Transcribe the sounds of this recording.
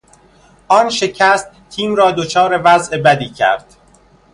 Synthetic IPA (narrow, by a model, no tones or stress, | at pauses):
ʔɒːnʃe̞cʰæst̪ | t̪ʰiːmɾɒːd̪ot͡ʃʰɒːɾe̞væzʔe̞bæd̪iːcʰæ̰ɾd̪̥